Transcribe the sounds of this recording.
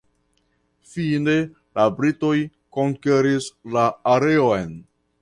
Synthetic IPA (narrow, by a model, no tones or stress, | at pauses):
fine̞ | labɾito̞j | ko̞ŋke̞ɾislaːɾe̞ojn